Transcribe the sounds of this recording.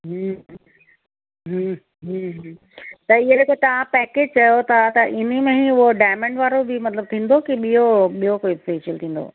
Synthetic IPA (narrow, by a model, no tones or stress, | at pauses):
ɦə | ɦə | ɦuɦ | t̪ɐɪɦeeket̪ɐʋ̤ãpɛːkeːd͡ʑt͡ɕɐjot̪ʰat̪ɐʔɪn̤əmẽɦĩʊɦoɖaːɪmə̃ɳʈʋaːɾobʱɪmɐt̪ləb̚t̪ʰĩːn̆d̪okiɓijoɓijokobfeʃəlt̪ʰĩːn̆d̪o̰ː